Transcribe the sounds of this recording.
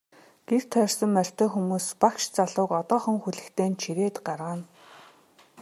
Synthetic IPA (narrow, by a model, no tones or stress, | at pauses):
ɡ̥ewt̪ʰœːrsə̆mːœr̥ʲt̪œːxumuːspakʃt͡saɮʊːkɔt̪ɔːχɞ̆ŋxuɮɘ̆kt̪ʰeːnt͡ɕʰiɾeːt̪ɢarʁaːn